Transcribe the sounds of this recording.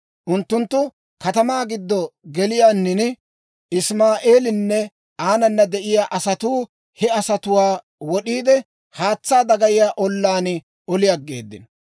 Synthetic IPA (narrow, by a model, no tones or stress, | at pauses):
ʔʊnt̪ːʊnt̪ːʊ | kɐt̪ɐmaːɡɪd̪ːɔɡɛlɪjaːnːɪnɪ | ɪsmaːʔeːlɪnːɛ | aːnɐnːɐd̪ɛʔɪjaːʔɐsɐt̪uː | hɛɐsɐt̪ʊwaː | wɔɗiːd̪ɛ | haːt͡sːaːd̪ɐɡɐjɪjaːʔɔlːaːnɪ | ɔlɪjɐɡːḛːd̪ːɪ̰n